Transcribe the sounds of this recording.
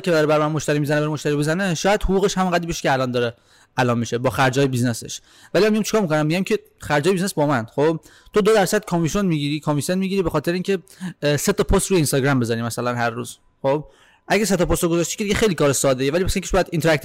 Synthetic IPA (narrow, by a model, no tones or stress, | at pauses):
cʰed̪ɒɾeæɾmænmoʃt̪æɾiːmizæneæɾemoʃt̪æɾibezæneʃɒːjæd̪̥hoɣuːɣeʃhæminʁæd̪iːbeʃcʰeælɒnd̪ɒːɾe | ælɒːnmiʃebɒːxæɾd͡ʒɒːjebiznesḛʃ | vælimæmijæmt͡ʃe̥kɒːɾmikʰonæmːiɟæmcʰe̞ | xæɾd͡ʒɒːjeiznesbɒːmænd̪̥xob̥ | t̪ʰod̪od̪æɾsæd̪̥̚kʰɒmisonmiɡiːɾiːkʰɑmisenmiɟiːɾiːbexɒːt̪ʰeɾeiːŋcʰe̞se̞t̪ʰɒpʰost̪ɾuːjeinst̪ɒɡɾæmbe̞zɒːɾimæsælænhærːuːz̥ | xob̥ | ʔæɟæs̬et̪ʰɒpost̪ɾoɡo̞zɒːʃt̪i̥kʰʲeiɟexejlikɒːɾesɒːd̪ejevælipʰæsiŋkʰe̥ʃbjæd̪int̪ʰeæk̚t̪